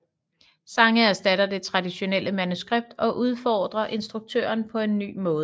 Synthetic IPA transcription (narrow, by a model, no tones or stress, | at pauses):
sɑ̈ŋəæɐsd̥æɾɐd̥e̝t͡sʰʁɑ̈d̥iɕo̝nel̰əmænusɡ̥ʁeb̥̚d̥ɒ̽ʔuð̞ˠfɒːd̥ʁɐʔe̝nsd̥ʁuɡ̥̚t͡sʰø̰ːɐnpʰɒ̽e̝nːy̰ːmɔ̽ːð̩ˠ